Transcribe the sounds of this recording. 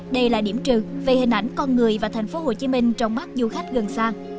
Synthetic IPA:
ɗə˧jlaː˨˩ɗi˧˩əmt͡ɕɨ˨˩ve˨˩hï˨˩ʔa˧˩jŋ̟kɔ˧nŋɨ˨˩əjvaː˨˩t̪ʰɛ˨˩jŋ̟fo˨˧˦ho˨˩t͡ɕi˨˦mï˧ŋ̟t͡ɕɔ˨˧wŋ͡mɓa˦˥k̚zu˧xa˦˥jk̟̚ɣə˨˩nsaː˧ŋ

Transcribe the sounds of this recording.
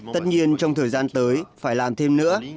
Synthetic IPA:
t̪ə˦˥t̚ɲi˧ənt͡ɕɔ˧wŋ͡mt̪ʰəː˨˩jzaː˧nt̪əː˨˦jfaː˧˩jlaː˨˩mt̪ʰe˧mnɨ̰˧˥ə

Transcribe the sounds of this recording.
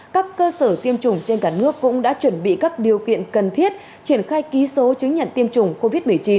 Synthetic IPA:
kaː˦˥kːəː˧səː˧˩t̪i˧əmt͡ɕʊ˨˩ŋ͡mt͡ɕe˧nkaː˧˩nɨ˦˥əkːʊ̰˧˥ŋ͡mɗa̰ː˧˥t͡ɕwə˧˩nɓḭ˧˨kaː˦˥k̚ɗi˨˩əwkḭ˧˨ənkə˨˩nt̪ʰi˦˥ət̚ | t͡ɕi˧˩ənxaː˧jki˨˦so˨˦t͡ɕɨ˨˦ŋɲə̰˧˨nt̪i˧əmt͡ɕʊ˨˩ŋ͡mko˧vi˦˥t̚mɨ˨˩ə˩jt͡ɕi˨˦n

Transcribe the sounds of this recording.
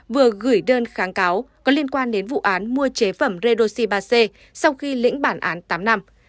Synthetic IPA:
vɨ˨˩əɣɨ˧˩jɗəː˧nxaː˨˦ŋkaː˨˦wkɔ˨˦li˧ənkwaː˧nɗe˨˦nvṵ˧˨ʔaː˨˦nmu˧ət͡ɕe˨˦fə˧˩mze˧ɗo˧si˧ɓaː˧se˧ | sa˧wxi˧lḭ˧˥ŋ̟ɓaː˧˩nʔaː˨˦nt̪aː˨˦mna˧m

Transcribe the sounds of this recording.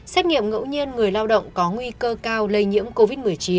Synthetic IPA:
sɛ˦˥t̚ŋḭ˧˨əmŋə̰˧˥wɲi˧ənŋɨ˨˩əjlaː˧wɗə̰˧˨wŋ͡mkɔ˨˦ŋwi˧kəː˧kaː˧wlə˧jɲḭ˧˥əmko˧vi˦˥t̚mɨ˨˩əjt͡ɕi˨˦n

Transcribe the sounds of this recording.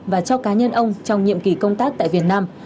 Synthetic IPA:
vaː˨˩t͡ɕɔ˧kaː˨˦ɲə˧nʔə˧wŋ͡mt͡ɕɔ˧wŋ͡mɲḭ˧˨əmki˨˩kə˧wŋ͡mt̪aː˦˥k̚t̪a̰ː˧˨vi˨˩ət̚naː˧m

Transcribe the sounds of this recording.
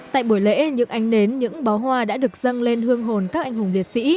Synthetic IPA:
t̪a̰ː˧˨jɓu˧˩əjlḛ˧˥ɲɨ̰˧˥ŋʔa˨˦jŋ̟ne˨˦nɲɨ̰˧˥ŋɓa˨˦wɦwaː˧ɗa̰ː˧˥ɗɨ˨˩ək̚zə˧ŋle˧nhɨ˧əŋɦo˨˩nkaː˦˥k̚ʔa˧jŋ̟hʊ˨˩ŋ͡mli˨˩ət̚sḭ˧˥

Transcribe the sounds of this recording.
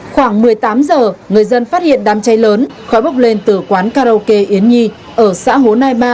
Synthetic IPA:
xwaː˧˩ŋmɨ˨˩əjt̪aː˨˦mzəː˨˩ŋɨ˨˩əjzə˧nfaː˦˥t̚hḭ˧˨ənɗaː˨˧˩mt͡ɕa˨˦jləː˨˦nxɔ˨˦jɓə˦˥wk͡p̚le˧nt̪ɨ˧˩kwaː˨˦nkaː˧ɾo˧ke˧ʔi˨˦ənɲi˧ | ʔəː˧˩sa̰ː˧˥ɦo˨˦naː˧jɓaː˧

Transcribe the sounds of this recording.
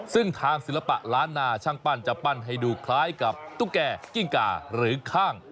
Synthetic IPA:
sɯ˥˩ŋt̪ʰaː˧ŋsi˨˦la˧pa̰˨˩ʔɾaː˦˥nːaː˧t͡ɕʰa˧ŋpa˧˩nt͡ɕa˨˩pa˧˩nɦa˨˩jduː˨˩kʰlaː˦˥jka˨˩p̚t̪uː˧˥˩kɛː˧ki˧˩ŋka̰ː˧ɾɯː˩˦kʰaː˥˩ŋ

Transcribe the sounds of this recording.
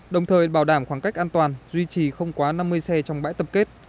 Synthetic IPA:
ɗə˨˩wŋ͡mt̪ʰəː˨˩jɓaː˧˩wɗaː˧˩mxwaː˧˩ŋka˦˥k̟̚ʔaː˧nt̪waː˨˩nzwi˧t͡ɕi˨˩xə˧wŋ͡mkwaː˨˦na˧mːɨ˧əjsɛ˧t͡ɕɔ˧wŋ͡mɓa̰ː˧˥jt̪ə˨˩p̚ke˦˥t̚

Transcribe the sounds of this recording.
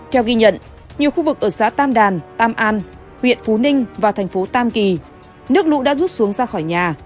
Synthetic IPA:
t̪ʰɛ˧wɣi˧ɲə̰˧˨n | ɲi˨˩əwxu˧vɨ˨˩k̚ʔəː˧˩saː˨˦t̪aː˧mɗaː˨˩nt̪aː˧mʔaː˧n | hwḭ˧˨ənfu˨˦nï˧ŋ̟vaː˨˩t̪ʰɛ˨˩jŋ̟fo˨˦t̪aː˧mki˨˩ | nɨ˦˥ək̚lṵ˧˥ɗa̰ː˧˥zu˦˥t̚su˨˦əŋzaː˧xɔ˧˩jɲaː˨˩

